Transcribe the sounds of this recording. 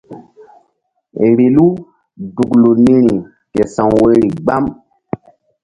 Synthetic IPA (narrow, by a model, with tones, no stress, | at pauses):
ɾi˨lu˦ | du˨ɡlu˨ni˦ɾi˨ | kɛ˨sã˨wwe˦ɾi˨ɡ͡ba˦m